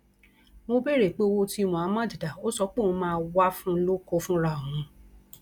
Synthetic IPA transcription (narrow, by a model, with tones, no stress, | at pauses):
mo˧be˦ɾe˨k͡pe˨˦o˧wo˧ti˧˦˧w̃ɔ̃˨a˨˦mã˦˨di˨da˨o˦sɔ˧˦k͡pe˦˨ũ˧mãː˦˧wa˦fũ˦˧lo˦ko˧fũ˦ɾa˦˨õ˨ũ˨˧˦